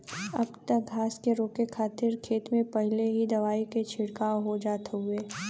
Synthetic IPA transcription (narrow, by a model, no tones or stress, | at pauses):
ɐ̰bt̪ək̚ɡʱaːskeɾoːkekʰaːt̪ɪɾkʰeːt̪mẽpɐɦleɦid̪ɐʋaːiket͡ʃʰɪɽkaːoɦod͡ʒaːt̪eɦʊeː